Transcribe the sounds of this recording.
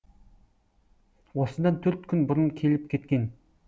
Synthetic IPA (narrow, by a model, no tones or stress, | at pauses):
wɔsə̆nd̪aːnt̪ʰɵrt̪kʰɵnbʊɾə̆nkʰilɘ̆p̚ɡet̪̚ɡin